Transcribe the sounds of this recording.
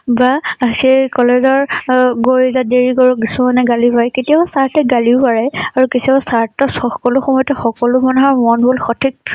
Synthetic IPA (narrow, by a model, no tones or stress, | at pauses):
baasekɔlezɔɹɡojzadeɹiɡɔɹɔkisumanɛɡalipaɹɛketijasaɹtɛɡaliʊpaɹɛaɹukitʰiaasaɹtːɔsɔkɔlʊxɔmɔjɔtɛxɔkɔlʊmanuɦaɹmɔnbolxɔtʰik̚